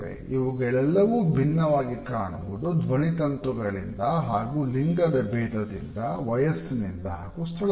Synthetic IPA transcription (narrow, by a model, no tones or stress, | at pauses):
ḛiʋuɡɛɭɛlːɐʋubʱinːɐʋaːɡikaːɳuʋud̪ud̪ʋɐɳit̪ɐnt̪uɡɐɭḭnd̪ɐɦaːɡuliŋɡɐd̪ɐbʱɛːd̪ɐd̪ḭnd̪ɐʋɐjɐsnind̪ɐɦaːɡust̪ʰɐɭ